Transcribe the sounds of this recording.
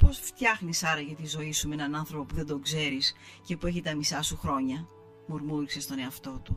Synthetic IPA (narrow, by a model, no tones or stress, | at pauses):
po̞sft̪çɐxnisɐɾɐʝɐt̪izo̞isumenɐnɐnθɾo̞popuðe̞nd̪o̞ɡze̞ɾis | ce̞pue̞çit̪ɐmisɐsuxɾo̞ɲɐ | mo̞ɾmuɾise̞st̪o̞ne̞ɐft̪o̞t̪u